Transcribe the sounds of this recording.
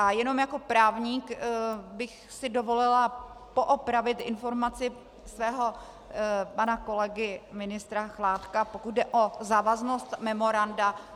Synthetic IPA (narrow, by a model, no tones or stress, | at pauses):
ʔajɛno̞mjako̞pɾaːvɲiːkbɪx | sɪdo̞vo̞lɪlapo̞ʔopɾavɪt̪ʔɪnfo̞ɾmat͡sɪ | svɛːɦo̞ | panako̞lɛɡɪmɪnɪst̪ɾaxlaːt̪kapokut̪̚dɛʔo̞zaːvazno̞st̪mɛmo̞ɾanda